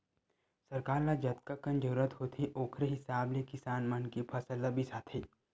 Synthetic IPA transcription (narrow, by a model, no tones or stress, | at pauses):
sɐɾkaːɾlad͡ʒɐt̪̚kakənd͡ʒoɾət̪hoːt̪ʰiʔoːkʰɾeɦɪsaːblekɪsaːnmɐnkipʰɐsəlabʱisaːt̪ʰi